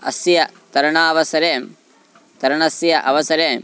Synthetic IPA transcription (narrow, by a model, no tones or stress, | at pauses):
ɐ̰sjɐt̪ɐɾɐɳaːʋɐsɐɾeːm | t̪ɐɾɐɳɐsjɐʔɐʋɐsɐɾeːm